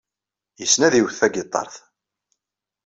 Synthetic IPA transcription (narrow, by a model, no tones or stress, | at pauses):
jəsnæðiwθæɡɪt̪ˤːɑ̰ɾˤθ